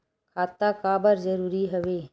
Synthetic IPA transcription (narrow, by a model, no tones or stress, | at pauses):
kʰaːt̪akaːbəɾzəɾuːɾiɦɐʋeː